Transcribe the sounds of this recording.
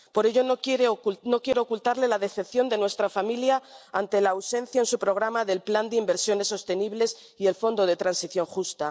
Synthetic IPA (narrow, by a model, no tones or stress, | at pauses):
po̞ɾe̞ʝo̞nokeɾeno̞kje̞ɾo̞okult̪aɾle̞laðe̞θe̞pθjo̞nd̪e̞nwe̞st̪ɾafamiljaant̪e̞laːwsẽ̞n̟θjaensupɾo̞ɣ̞ɾamaðe̞lpland̪eimbe̞ɾsjo̞ne̞sːo̞st̪e̞niβle̞s | ie̞lfo̞nd̪o̞ð̞e̞t̪ɾansiθjo̞ŋxust̪a